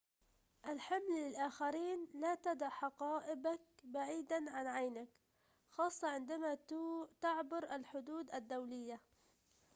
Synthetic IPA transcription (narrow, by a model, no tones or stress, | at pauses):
ʔalħamlːɪlʔaːxaɾiːnlat̪ad̪aħaqɑːʔɪbak̚baʕiːd̪anʕanʕajnak | xɑːsˤːɑʕɪnd̪amat̪aʕbʊɾʔalħʊd̪uːd̪ʔad̪ːawlɪjːa